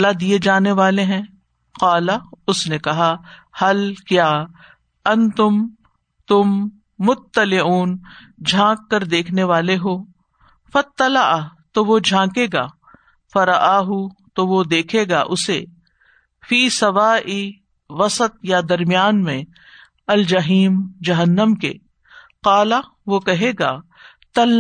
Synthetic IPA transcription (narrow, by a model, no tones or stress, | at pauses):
lad̪ied͡ʒaːneʋaːleɦɛ̃ | qaːlaʊsnekɐɦahɐlkjaː | ɐ̃nt̪ʊm | t̪ʊmː | ʊt̪ːɐlɪuːn | d͡ʒʱãːkːɐɾd̪eːkʰneʋaːleɦoː | fɐt̪ːɐlɐʔt̪oʋod͡ʒʱãːkeːɡaː | fɐɾɐʔaːɦut̪oʋod̪eːkʰeːɡaːʔʊse | fiːsɐʋaːʔi | ʋɐsət̪̚jad̪ɐɾmijaːnmẽ | ɐld͡ʒɐɦiːmd͡ʒɐɦənːəmkḛ | qaːla | ʋokɐɦeːɡaː | t̪ɐl